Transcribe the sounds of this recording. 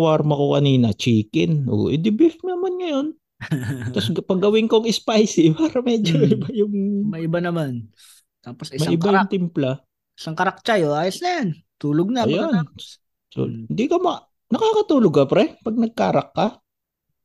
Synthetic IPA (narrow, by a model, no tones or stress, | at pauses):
waɾmɐkokɐniːnɐt͡ʃiːkɪnʔo̰ʔɪd̪ɪbɪfnɐmanŋɐjon | ɐspɐɡɡːɐwɪŋkoɐŋɪspajsɪpaːɾɐmɛːd͡ʒoɪbajʊŋmɐɪbanɐman | t̪aːposʔɪsmɐaʔɪŋbajʊŋt̪ɪmpla | ʔɪsaŋkɐɾɐk̚t͡ʃajoʔaːjosnɐjan | t̪uːloɡ̚nɐjon | so̰ɪnd̪ikɐma | nɐkaːkɐt̪uːloɡkɐpɾɛpɐɡ̚nɐɡ̚kaːɾɐkːɐ